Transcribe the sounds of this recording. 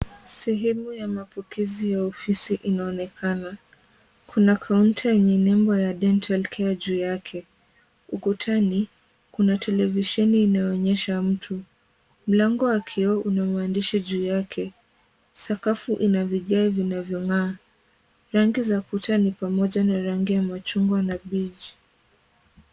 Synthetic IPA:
sɛɦɛmujamapɔkʰɛzijaɔfisiʔinaɔnɛkʰana | kʰunakʰauntjɛɲɛnɛmbɔjaɗɛntʰalkʰɛaʄuːjakʰɛ | ukutʰani | kunatʰɛlɛviʃɛniːnajɔːɲɛʃam̩tʰu | m̩laŋɡɔwakʰiɔunamandiʃiʄuːjakʰɛ | sakafuʔinaviʄaivinavjɔŋaː | ɾaŋɡizakutanipamɔʄanaɾaŋɡijamat͡ʃuŋɡwanaɓid͡ʒi

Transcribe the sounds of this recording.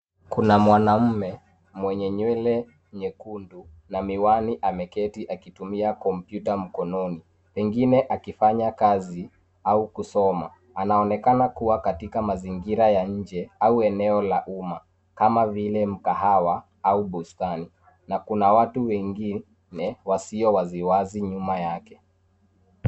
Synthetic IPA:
kunamwanam̩mɛ | mwɛɲɛɲwɛlɛ | ɲɛkundu | namiwaniʔamɛkɛtiʔakitumiakɔmpjutam̩kɔnɔni | pɛŋɡinɛʔakifaɲakazi | aukusɔma̰ | anaɔnɛkanakuwakatikamaziŋɡiɾajaɲ̩d͡ʒɛauɛnɛɔlaʔuma | kamavilɛm̩kahawa | auɓustani | nakunawatuwɛŋɡi | nɛwasiɔwaziwaziɲumajakɛ

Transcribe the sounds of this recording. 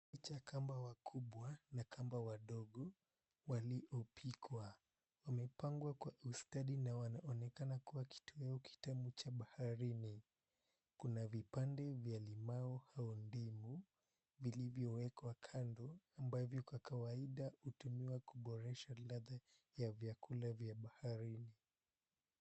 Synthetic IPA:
it͡ʃakʰambawakʰuɓwanakʰambawaɗɔɠɔ | waliʔɔpʰikwa | wamɛpaŋɡwakwaʔustaɗinawanaʔɔnɛkanakuwaki̥tʰuɛɔki̥tamut͡ʃaɓahaɾini | kunavipandɛvjalimaɔhaɔndimu | vilivjɔwɛkwakʰandɔambavjɔkwakawaiɗahutumiwakuɓɔɾɛʃalaða | javjakulavjaɓahaɾini

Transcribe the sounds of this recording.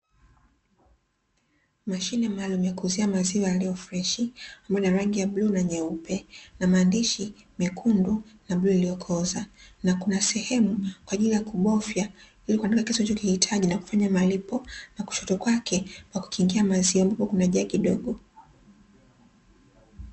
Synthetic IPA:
maʃinɛmaːlumujakuːziamaziɔjaliɔfɾɛʃiambajɔniɾaŋɡijablunaɲɛupɛnamaːndiʃi | mikʰundunabluilijɔkʰɔzanakunasɛhɛmukwaʄilijakuɓɔfja | ilikuwandikakisɔt͡ʃɔkihitʰaʄinaku̥faɲamalipɔnaku̥ʃɔtɔkwakʰɛkwaku̥kʰiŋɡiamaziɔambapɔkunaʄakiɗɔɠɔ

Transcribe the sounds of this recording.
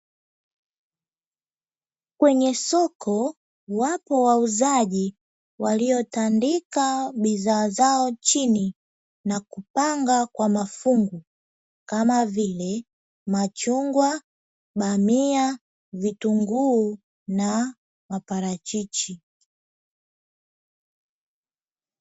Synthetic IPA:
kwɛɲɛsɔkʰɔ | wapɔwauzaʄi | waliɔtandikaɓiðaːzaɔt͡ʃini | nakupaŋɡakwamafuŋɡu | kamavilɛ | mat͡ʃuŋɡwa | ɓamia | vituŋɡuː | na | mapaɾat͡ʃit͡ʃi

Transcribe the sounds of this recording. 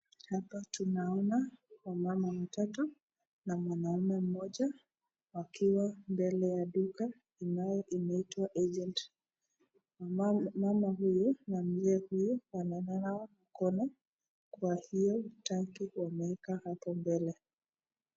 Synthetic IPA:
hapatunaɔnawamamawatatu | namwanaumɛm̩mɔʄa | wakʰiwambɛlɛjaɗuka | inajɔʔimɛitwaʔɛd͡ʒɛnt | mamaɦujunam̩d͡ʒɛhujuwanɛnanaɔnakɔnɛ | kwahijɔtaŋkiwamɛɛkahapɔmbɛlɛ

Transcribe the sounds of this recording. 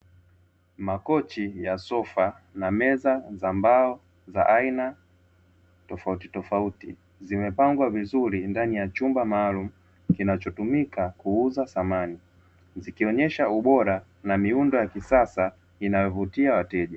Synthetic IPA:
makɔt͡ʃijasɔfa | namɛzazambaɔ | za̰ʔaina | tɔfautitɔfautḭ | zimɛpaŋɡwavizuɾindanijat͡ʃumbamaːlum̩ | kinat͡ʃɔtumikakuuzasamani | zikiɔɲɛʃauɓɔɾa | namiundɔjakisasa | inajɔvutiawatɛʄa

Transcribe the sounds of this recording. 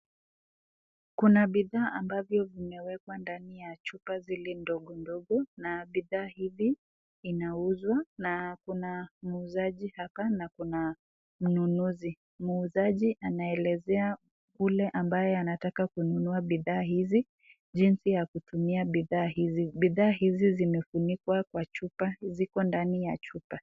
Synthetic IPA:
kunaɓiðaːʔambavjɔvimɛwɛkwandanijat͡ʃupazilindɔɠɔndɔɠɔnaɓiðaːhiviː | nauzwanakunam̩uzaʄihapanakuna | m̩nunuzi | muːzaʄiʔanaɛlɛzɛa | kulɛʔambajɛanatakakununuaɓiðaːhizi | ʄinsijakutumiaɓiðaːhiziɓiðaːɦizizimɛfunikwakwat͡ʃupazikɔndanijat͡ʃupa

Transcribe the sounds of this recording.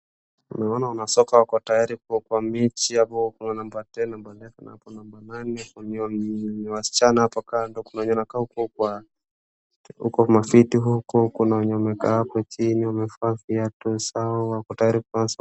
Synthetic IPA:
unaɔnaunasɔkawakɔtajaɾikuɔkwamit͡ʃiapɔkunanambatɛnambandɛfɛna̰apɔnambananɛuniniwasi̥t͡ʃanahapakandɔkunaɔɲɔnakahukɔkwa | hṵkɔmafitiɦukɔkunauɲɔmɛkahapat͡ʃiniwamɛfafiatɔsaɔwakɔtajaɾikans

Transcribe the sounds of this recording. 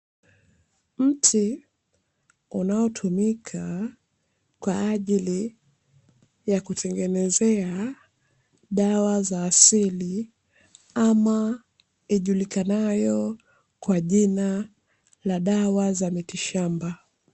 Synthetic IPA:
m̩tʰi | unaɔtʰumikʰa | kwaːʄili | jakutʰɛŋɡɛnɛzɛa | ɗawazaːsili | ama | iʄulikanajɔ | kwaʄina | laɗawazamitiʃamba

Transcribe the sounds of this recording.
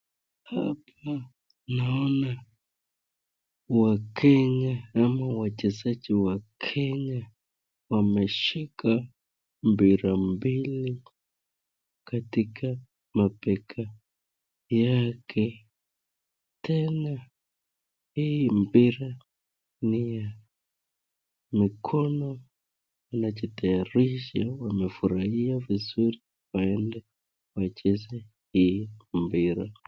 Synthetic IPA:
hap̚ʰa | naɔna | wakʰɛɲaamawat͡ʃɛzad͡ʒiwakʰɛɲa | wamɛʃikʰa | mbiɾambili | katikʰa | mapɛkʰa | jakʰɛ | tɛna | hijimpiɾa | nija | mikʰɔnɔ | wanat͡ʃɔtʰajaɾiʃawamɛfuɾahiavizuɾi | waɛndɛ | wat͡ʃɛzɛ | hijim̩piɾa

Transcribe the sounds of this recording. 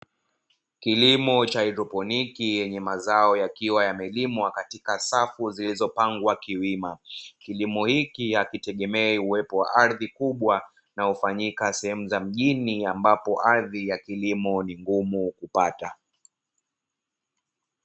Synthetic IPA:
kilimɔt͡ʃaidɾɔpɔnikijɛɲɛmazaɔjakiwajamɛlimwakatikasafuzilizɔpaŋɡwakiwimakilimɔhikiakitɛɠɛmɛɛuwɛpɔwa̰ʔaɾðikuɓwa | nahufaɲikasɛhɛmuzam̩ʄiniambapɔʔaɾðijakilimɔniŋɡumukupata

